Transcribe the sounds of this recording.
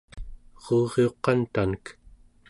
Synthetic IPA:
ʁuːʁeo̞qɑnt̪anək

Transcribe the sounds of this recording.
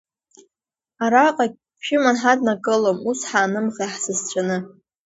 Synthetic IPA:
aɾaqʼaɡʲ | pʰʃɪmanħadnakʼɨlomusħaːnɨmʁaħsɨzt͡ɕʷʰʼanɨ

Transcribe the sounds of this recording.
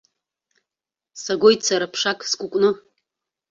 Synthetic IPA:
saɡojt͡sʰaɾapʰʂakʼskʷʼʊkʷʼnɨ

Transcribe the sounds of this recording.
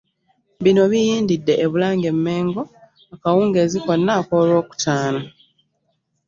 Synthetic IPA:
βino̞βijiːndidːe̞ʔːβulaːŋɡe̞mːe̞ːŋɡo̞ | akawuːŋɡe̞ːzikonːako̞lo̞ːku̥tʰaːno

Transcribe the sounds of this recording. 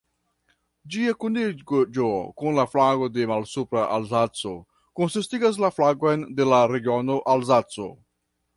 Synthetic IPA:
d͡ʒiakuniɡd͡ʒokunlaflaɡodemalsupɾaʔalzat͡so | konsistiɡas̬laflaɡojndelaɾeɡionoʔalzat͡so̰

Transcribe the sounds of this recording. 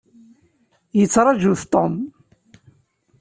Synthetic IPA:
jət͡sːɾˤɑʒuθt̪ˤom

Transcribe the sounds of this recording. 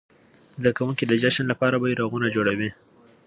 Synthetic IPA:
zd̪akawuŋkid̪əd͡ʒaʃanlapɑɾabajiɾaɣunad͡ʒoɽawi

